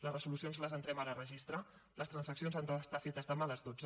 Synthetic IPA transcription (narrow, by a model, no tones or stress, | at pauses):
lərəzulusionzləzənt̪ɾɛmaɾərəʒist̪ɾa | ləst̪ɾənsəksijonzand̪əst̪afet̪əzðəmaləzd̪od͡zə